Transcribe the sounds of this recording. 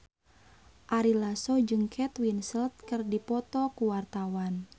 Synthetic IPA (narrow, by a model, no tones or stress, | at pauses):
ʔaɾilasɔd͡ʒɨŋkʰɛt̪winsəlt̪̚kɨrdipɔt̪ɔkuwart̪awan